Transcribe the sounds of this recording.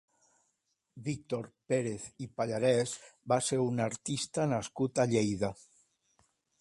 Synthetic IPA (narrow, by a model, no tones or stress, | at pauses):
bik̚t̪oɾpeɾeθipaʎaɾɛzbaseɾunaɾt̪ist̪anaskut̪aʎejða